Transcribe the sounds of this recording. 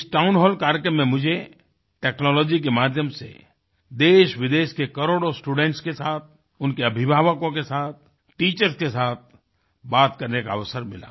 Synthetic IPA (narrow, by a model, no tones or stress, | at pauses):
ɪsʈaːʊnɦɔːlkaːɾjkəmːẽmʊd͡ʒʱe | ʈɛːknɔːlɔːd͡ʒik̬emaːd̪ʱjəmsḛ | d̪eːʃʋɪd̪eːʃkekɐɾoːɽosʈuːɖɛ̃ɳʈskesaːt̪̚ʰ | ʊnkeɐbʱɪbʱaːʋəkõkesaːt̪̚ʰ | ʈiːt͡ʃəɾskesaːt̪̚ʰ | baːt̪kɐɾnekaɐʋəsəɾmɪla̰ː